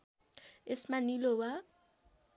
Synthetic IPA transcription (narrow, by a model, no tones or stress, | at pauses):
esmanilowa